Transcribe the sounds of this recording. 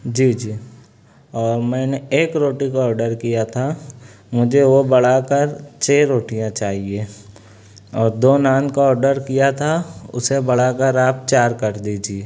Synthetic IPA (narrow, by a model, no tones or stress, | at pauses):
d͡ʒiːd͡ʒiː | ɔːɾmɛ̃ːneeːkɾoːʈikaɔːɾɖəɾkijat̪ʰa | mʊd͡ʒʱeʋobɐɽ̤akəɾt͡ʃʰeːɾoːʈijãt͡ʃaːɦieː | ɔːɾd̪oːnãːnkaɔːɾɖəɾkijat̪ʰaʊ̰sebɐɽ̤akəɾaːp̚t͡ʃaːɾkɐɾd̪iːd͡ʒieː